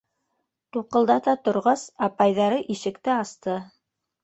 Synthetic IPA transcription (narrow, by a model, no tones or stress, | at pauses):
t̪uqɤ̆lˠd̪ɑt̪ɑt̪ŏɾʁɑsɑpɑjðɑɾɤʔiʃɘ̆kt̪ɘɑst̪ɤ